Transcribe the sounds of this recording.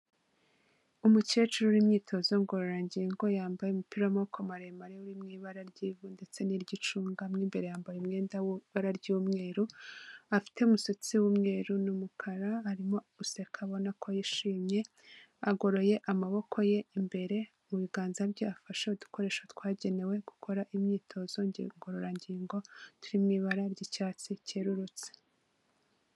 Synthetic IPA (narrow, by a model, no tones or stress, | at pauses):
umucet͡ʃuɾuɾimɲiːtʰo̞zo̞ŋɡo̞ɾoɾaɲɟijeŋɡo̞jaːmbajemupiɾomokʰomaɾemaɾeuɾimŋiːβaɾaɾɟiːvunde̞t͡se̞niɾɟit͡ʃuːŋɡamŋiːmbe̞ɾe̞jaːmbajeumŋe̞ːndaβaɾaɾɟuːmŋe̞ːɾuafi̥te̞umusit͡siwumŋe̞ːɾunumukʰaɾaaɾimo̞ | use̞kʰaβo̞nakʰo̞jiʃiːmɲe̞ | aɡo̞ɾo̞je̞ʔamaβo̞kʰo̞je̞imbe̞ɾe̞ | muβiɡaːnzabjoafaʃeudu̥ko̞ɾe̞ːʃatwaːɟe̞ne̞we̞ɡ̥ukʰo̞ɾaʔimɲiːtʰo̞zo̞ɲɟ̰ŋɡoɾoɾaɲɟiːŋɡo̞tuɾimŋiβaɾaɾɟicaːt͡siceɾuɾut͡se̥